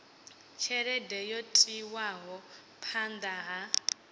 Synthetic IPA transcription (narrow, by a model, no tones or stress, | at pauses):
t͡ʃʰɛɾɛdɛjotʼiwaɦɔ | pʰand̪aɦa